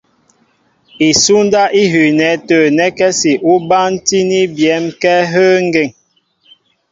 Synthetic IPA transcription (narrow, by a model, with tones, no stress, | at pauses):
i˨su˦n˦da˦ʔi˦ɦʉ˨nɛ˨˦təː˨nɛ˦kɛ˦si˨ʔu˦ba˦n˦ti˦ni˦bjɛ˨˦mkɛ˦ɦə˦ŋ̩˦ɡe˦˨ŋ